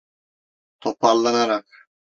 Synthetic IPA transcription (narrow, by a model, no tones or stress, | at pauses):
t̪ʰopɑlˠːɑnɑɾɑq